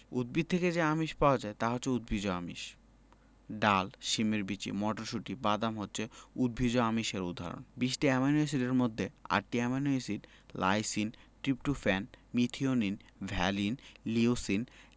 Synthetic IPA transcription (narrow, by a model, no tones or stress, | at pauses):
ud̪̚bid̪̚t̪ʰeked͡ʑeamiʃpaoad͡ʑaet̪aɦotːʰeud̪̚bʱid͡ʑoamḭʃ | ɖalʃimeɾbit͡ɕḭmɔʈoɾʃuʈibad̪amɦotːɕʰeud̪̚bʱid͡ʑoamiʃeɾud̪ʱːa̰ɾo̰nbiʃʈiɛmanoesiɖeɾmod̪ʱːea̰ɾʈiɛmanoesiɖ | la̰jsinʈɾipʈufɛnmit̪ʰioninbʱɛlinliusin